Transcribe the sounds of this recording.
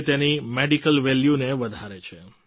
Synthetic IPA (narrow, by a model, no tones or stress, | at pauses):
t̪enimeɖikəlʋɛljuneʋəd̪ʱaɾet͡ʃʰe